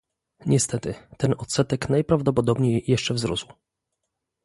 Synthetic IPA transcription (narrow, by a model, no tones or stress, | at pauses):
ɲɛst̪ɛt̪ɘt̪ɛnɔt̪sɛt̪ɛknajpɾavd̪ɔpɔd̪ɔbɲejːɛʂt͡ʂɛvzɾusw